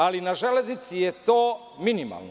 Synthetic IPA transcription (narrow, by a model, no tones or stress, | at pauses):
alinaʒele̞znit̪sijet̪oː | minima̰lˠno